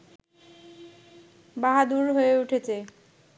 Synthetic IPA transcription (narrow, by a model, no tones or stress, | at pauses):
baɦad̪uɾɦoeuʈʰet͡ɕʰe